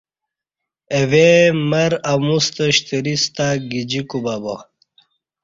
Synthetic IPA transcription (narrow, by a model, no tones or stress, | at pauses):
ewemɐɾamust̪əɕt̪iɾist̪aɡid͡ʑikubabo